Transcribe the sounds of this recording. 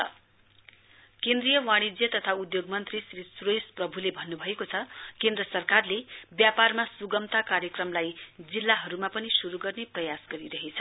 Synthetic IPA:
kẽnd̪rijʌwãɽ̃id͡zjʌt̪ʌt̪ʰaud̪joɡmʌnt̪risrisrosprʌbʱulebʱʌnːubʱʌekot͡sʰʌkend̪rʌsʌrkarlebjaparmasuɡʌmt̪akaɾjʌkrʌmlajd͡zilːaɦʌɾumapʌnisuɾuɡʌrneprʌjasɡʌɾiɾʌɦet͡sʰʌ

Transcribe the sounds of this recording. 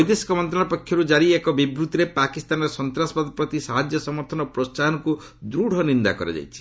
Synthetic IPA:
jd̪esi̥kɔmɔnt̪ɾɔ̃apɔkʰːjɔɾud͡ʒaɾiekɔbibɾut̪iɾepakist̪anɔɾsɔnt̪ɾasɔpad̪ɔpɾɔt̪isaɦad͡ʒjɔsɔmɔɾt̪ʰɔnɔpɾossaɦɔnɔku | d̪ɾuɽ̤ɔnind̪a̰kɔɾḛd͡ʒa̰jt͡ʃʰi̥

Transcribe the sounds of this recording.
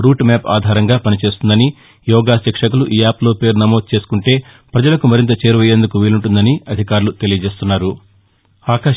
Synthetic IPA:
ɾuːʈmaːpa̰ːd̪ʱaːɾɐŋɡaːpɐnit͡ʃe̞ːst̪und̪ɐni | jɔːɡaːsɐkʂɐkuluʔijaːplo̞ːpe̞ːɾnɐmoːd̪̚t͡ʃe̞ːsu̥kuɳʈe̞ː | pɾɐd͡ʒɐlɐkumɐɾint̪ɐt͡ʃe̞ːɾuʋɐjːe̞ːnd̪ukuʋiːluɳʈund̪ɐniɐd̪ʱikaːɾulut̪e̞lijɐd͡ʒe̞ːst̪unːaːɾu | aːka

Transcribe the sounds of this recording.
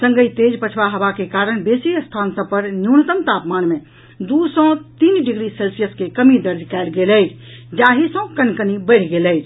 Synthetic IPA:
səŋɡəjt̪ed͡ʒpət͡ʃʰbaɦəbakekaɾənbesiəst̪ʰansə̃pəɾnjunət̪əmt̪apmanme | d̪usɔ̃t̪inɖiɡɾiselsijəskekəmid̪əɾd̪ʱkaɪlɡeləjd͡ʒ | d͡ʒaɦisə̃kənkənibəɪɽ̤ɡeləjt͡ʃʰ

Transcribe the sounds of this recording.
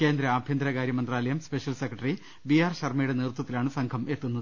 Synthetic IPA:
ke̞ːnd̪ɾɐːbʱjɐnd̪ɾɐɣaːɾjɐmɐnd̪raːlɐjɐmspe̞ɕɐlsekːrɐʈɐri | biaːrɕɐrmɐjuɽe̞neːrut̪wɐt̪ːilaːɳɨsɐŋkʰɐme̞t̪ːunːɐðɨ

